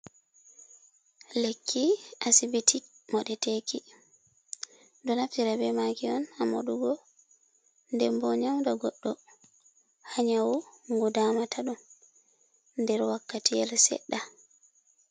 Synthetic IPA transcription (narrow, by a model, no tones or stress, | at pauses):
lekːiʔasibitʰimɔɗɛtekʰi | dɔnaftiɾabɛmaɡiɔnamo̰ɗuɡɔ | ndɛmbɔɲawdaɡɔɗːɔ | haɲawuŋɡɔdaːmatʰaɗum | ndɛɾwakːatijɛlsɛ̰ɗːa